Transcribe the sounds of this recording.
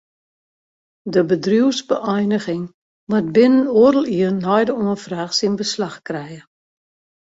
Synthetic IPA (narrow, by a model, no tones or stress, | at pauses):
dəbədruwsbəʔɔjnəɣɪŋ | ʋat̚bɪnənoərəlˠiərnɔjdəoənfraːxsinbəslaxkrɛjə